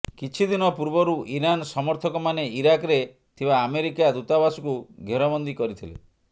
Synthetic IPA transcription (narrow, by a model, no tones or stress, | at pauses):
kit͡ʃʰid̪inɔpuɾbɔɾuʔiɾansɔmɔɾt̪ʰɔkɔmaneiɾakɾe | t̪ʰibaːmeɾikad̪ut̪abasu̥kuɡʱeɾɔbɔnd̪ikɔɾit̪ʰilḛ